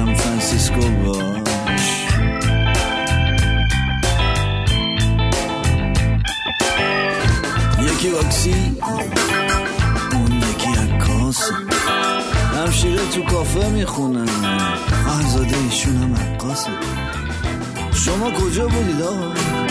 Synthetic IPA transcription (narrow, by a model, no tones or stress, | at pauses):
æmfɾænsiskobɔ | ʃ | jekivɒksi | unjekʰiækʰːɔs | ɾæmʃiɾet̪ʰukʰɔːfemixunæmahzɒːd̪eiʃunhæmæqʰːɒse | ʃomɔkʰod͡ʒɒbud̪id̪ɒɣɔ